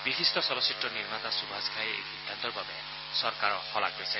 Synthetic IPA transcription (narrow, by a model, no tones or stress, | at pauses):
biɦistɔsɔbɔsitrɔniɾmat̪asubʱad͡zkʰaeḛkɦid̪ʱːant̪ɔrbʱabeja | sɔrkaɾɔhɔla̰ɡɡojsʰa